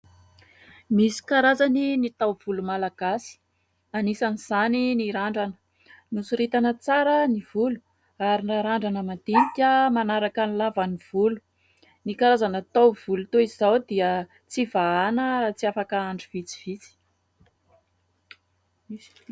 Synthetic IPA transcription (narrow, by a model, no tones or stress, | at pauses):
misi̥kaɾazaninit̪awv̥ulumalaɡ̥asi̥ | anisaniz̥aniniɾaɳɖ͡ʐanə̥ | nusuɾit̪anət͡saɾənivulu̥ | aɾinaɾaɳɖ͡ʐanəmant̪inikʲəmanaɾakənilavaniv̥ulu̥ | nikaɾazanat̪awv̥ulut̪oizizawd̪iə | t͡sivaanət͡siafakaaɳɖ͡ʐiv̥it͡si̥v̥it͡si̥